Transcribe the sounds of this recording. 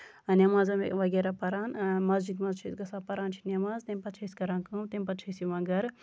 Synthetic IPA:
ɐnɐmaːzɐm̰ʋɐɡeɾapɐɾaːnmɐzd͡ʒid̪mɐzt͡ʃʰɐzɡɐsaːpɐɾaːnt͡ʃʰi̥nɐmaːzt̪emʲpɐt͡ʃʰɐsʲkɐɾãːnkɐmt̪emʲpɐtt͡ʃʰɐsiʋɐ̃ːɡɐɾ

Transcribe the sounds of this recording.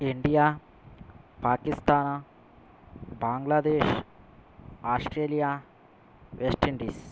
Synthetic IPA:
iɳɖija | paːkist̪aːna | baːŋɡlad̪eːʃ | aːsʈɾeːlija | ʋesʈiɳɖis

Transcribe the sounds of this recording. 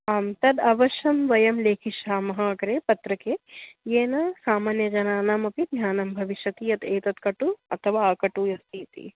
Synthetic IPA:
aːmt̪ɐd̪ɐʋɐʃɐmʋɐjɐmleːkʰiʃaːmɐɦɐkɐɾeːpɐt̪ɾɐkeːjeːnɐsaːmaːnjɐd͡ʒɐnaːnaːmɐpid̪nʲaːnɐmbʱɐʋiʃjɐt̪iɐt̪eːt̪ɐt̪kɐʈuɐ̰t̪ʰɐʋaːkɐʈuːjɐst̪ʰiːt̪ḭ

